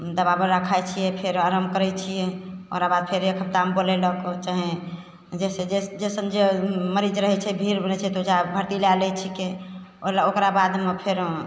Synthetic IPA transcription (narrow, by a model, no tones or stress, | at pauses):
d̪əbabəɾakʰajt͡ʃʰijɛpʰeɾaɾəmkəɾɛt͡ʃʰijɛokɾabad̪̚pʰeɾekʰəp̚t̪ambolɛləkot͡ʃaɦe | d͡ʒesed͡ʒed͡ʒesənd͡ʒeməɾid͡ʒɾəɦɛt͡ʃʰɛbʱiɾbənɛt͡ʃʰɛt̪od͡ʒabʱəɾt̪ilalɛt͡ʃʰikeolaokɾabad̪mepʰeɾ